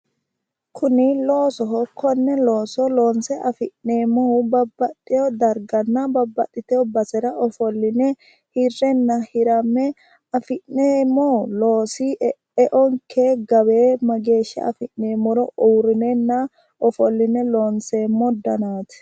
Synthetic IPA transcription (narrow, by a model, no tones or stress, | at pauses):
kʰʊnɪlo̞ːsɔɦɔkʰːɔnːɛloːsɔlo̞ːnsɛʔɐfɪʔneːmɔbɐbːɐt̪ʼːɛjɔd̪ɐɾɡɐnːɐbɐbːɐt̪ʼːɪt̪ɛjɔbɐsɛɾɐʔɔfɔlːɪnɛ | hɪrːɛnːɐhɪɾɐmːɛ | ɐfɪnːeːmːɔloːsi | ɛʔɔŋkʰeːɡɐbeːmɐɡe̞ːʃːɐ̰ɐ̰fɪʔneːmːɔɾɔʔuːɾɪnɛnːɐ | ɔfɔlːɪnɛloːnseːmːɔd̪ɐnaːt̪